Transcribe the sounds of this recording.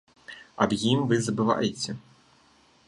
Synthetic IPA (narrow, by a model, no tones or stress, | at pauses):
ɐbjimvɨzɐbɨva̰jɛt͡sʲɛ